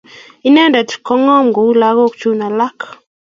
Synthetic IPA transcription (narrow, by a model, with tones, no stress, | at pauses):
i˦nɛ˦nda˨t̪kɔ˦ŋɔ˦m˨ɡu˨˦la˨˦ɣo˦kt͡ʃu˦na˨la˦k